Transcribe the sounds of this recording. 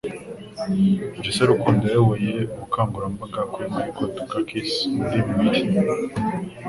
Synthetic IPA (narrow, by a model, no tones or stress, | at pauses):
d͡ʒiseɾukuːndajewejeɡukaːmɡuɾambaɡakuemaɾikʰotukakʰismudiβiwici